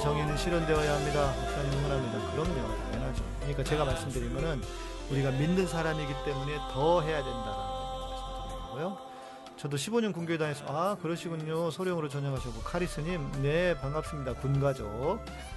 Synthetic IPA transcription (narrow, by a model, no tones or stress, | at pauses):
t͡ɕʌŋinɯnɕʰiɾʌndeʌjaɦamɲidaok̚s͈ʌnomɯnɦamɲidakɯɾʌmɲo | enad͡ʑikkɯɲik͈at͡ɕe̞ɡamaɭs͈ɯmdɯɾinɡʌnɯnuɾiɡaminːɯnsʰaɾamiɡit͈e̞mune̞tʌɦe̞jadwe̞ndaɾa̰nkesʰʌʌaɡojo | t͡ɕʌdoɕʰiboɲʌnkuŋɡjodaŋes͈ʰʌakɯɾʌɕʰiɡuɲosʰoɾjʌŋɯɾot͡ɕʌɲaŋɦaɕʰʌk͈okʰaɾis͈ɯɲimne̞paŋɡap̚s͈ɯmɲidakunɡad͡ʑo